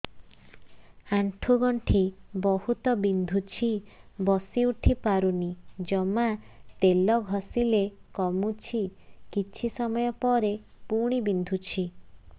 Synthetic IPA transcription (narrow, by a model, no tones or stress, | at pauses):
aɳʈʰuɡɔɳʈʰibɔhut̪ɔbind̪ʱut͡ʃʰibɔsiuʈʰipaɾunid͡ʒɔmat̪elɔɡʱɔsilekɔmut͡ʃʰikit͡ʃʰisɔmɔjɔpɔɾe | puɽ̃ibind̪ʱut͡ʃʰi